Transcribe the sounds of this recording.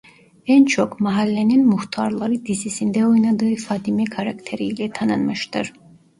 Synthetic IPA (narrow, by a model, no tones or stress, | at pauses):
ænt͡ʃʰo̞kmaɦalʲːeninmuht̪ʰaɾlˠaɾɯd̪izisind̪ɛo̞jnad̪ɯːfaːt̪ʰimɛkʰaɾakt̪ʰeɾilʲɛt̪ʰanɯnmɯʃt̪ʰɯ̰ɾ̥